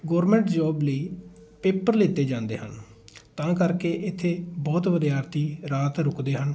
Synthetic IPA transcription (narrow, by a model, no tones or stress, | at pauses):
ɡɔːɾmɛ̃ːɳʈd͡ʒɔːbliːpeːpəɾlɪːt̪ːeːd͡ʒãːnd̪ḛːɦən | t̪ãːkəɾkeːʔɪt̪ʰːeːbɔːt̪ʋəd̪jaːɾt̪iːɾaːt̪ɾʊkd̪eːɦən